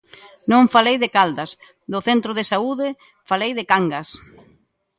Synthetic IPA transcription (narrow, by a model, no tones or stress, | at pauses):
nõɱfalejðɪkald̪ɐs | ðʊθent̪ɾʊðɪsauðɪ | falejðɪkaŋɡas